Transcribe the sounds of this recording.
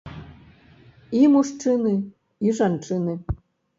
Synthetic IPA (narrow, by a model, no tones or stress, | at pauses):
imuʂʈ͡ʂɨnɨ | iʐanʈ͡ʂʰɨnɨ